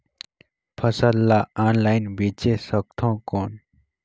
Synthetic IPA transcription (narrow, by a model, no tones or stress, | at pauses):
pʰəsəlːaanlajnbit͡ʃesək̚t̪ʰɔ̃kɔːn